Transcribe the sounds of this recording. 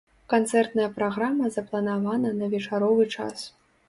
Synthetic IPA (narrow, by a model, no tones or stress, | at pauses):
kant̪sɛrt̪nɐjɐpɾaɣamɐzɐplˠɐnavanɐnɐvʲɛt͡ʂaɾɔvɨt͡ʂa̰s